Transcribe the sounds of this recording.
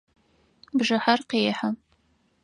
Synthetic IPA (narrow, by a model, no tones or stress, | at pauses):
bʒɨħarqeːħa